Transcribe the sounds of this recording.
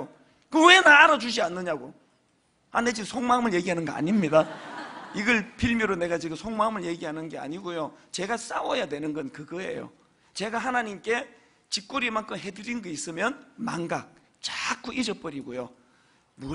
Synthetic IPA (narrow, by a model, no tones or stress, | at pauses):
o | kɯwe̞naːɾʌd͡ʑud͡ʑianːɯɲaɡo | aned͡ʑiɡɯsʰoŋmamɯɭje̞ɡiɦanɯnɡʌʔa̰ɲimɲida | iɡʌɭpʰiɭmjoɾone̞ɡat͡ɕiɡɯmsʰoŋmamɯɭje̞ɡiɦanɯnɡe̞a̰ɲiɡojot͡ɕe̞ɡas͈awʌjadwe̞nɯnɡʌnkɯɡʌɦe̞̰jo̰ | t͡ɕe̞ɡaɦanaɲimk͈e̞ | t͡ɕik̚k͈uɾimankʰɯmɦe̞dɯɾinnɡʌis͈ɯmjʌnma̰ŋɡak̚ | t͡ɕak͈ʰuʔid͡ʑʌp͈ʌɾiɡojo̰ | mu